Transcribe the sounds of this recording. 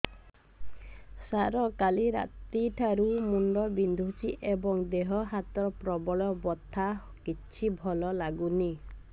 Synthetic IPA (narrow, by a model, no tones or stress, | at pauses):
saɾɔkaliɾa̰t̪iʈʰaɾumunɖɔbind̪ʱusiʔebɔŋd̪eɦɔɦat̪ɔpɾɔbɔɭɔbɔt̪ʰːa | kit͡ʃʰibʱɔlɔlaɡuni